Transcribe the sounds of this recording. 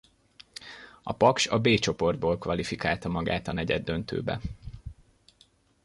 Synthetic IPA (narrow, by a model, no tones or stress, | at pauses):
ɒpɒkʃɒbeːt͡ʃo̞po̞rd̪̚boːlkʋɒlifikaːlt̪ɒmɒɡa̰ːt̪ɒnɛɟɛd̪ːø̞nt̪ø̰ːbɛ̰